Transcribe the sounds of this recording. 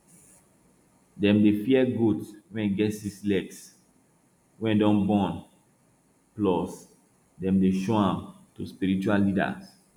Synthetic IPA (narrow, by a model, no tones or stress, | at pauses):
dɛ̃mdefiɛɡudwɛ̃nɡɛtislɛks | wɛ̃ndɔ̃nbɔ̃n | plɔs | dɛ̃mdeʃoãm | tuspiɹit͡ʃualːida̰s